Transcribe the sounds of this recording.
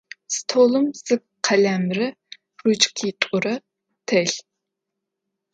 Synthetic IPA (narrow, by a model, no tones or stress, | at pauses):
st̪ʰolɨmz̥ɨk̚qʰælæmɾɨ | rut͡ʃkʲʰit̪ʼʊɾɨ | t̪ʰɛɬ